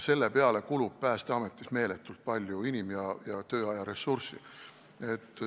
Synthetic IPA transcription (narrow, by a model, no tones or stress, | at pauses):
se̞lːe̞peɑle̞kulub̥̚pæːst̪eɑme̞t̪ːˑisme̞ːle̞t̪ːult̪̚pɑlʲjuinimjɑjɑt̪ø̞ːɑjɑɾe̞sːursḭ | e̞t̪ːˑ